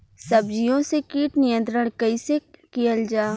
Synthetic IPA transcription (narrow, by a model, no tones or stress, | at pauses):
sɐbd͡ʒijõsekiːʈnɪjə̃nt̪ɾəɽ̃kɐisekijəld͡ʒaː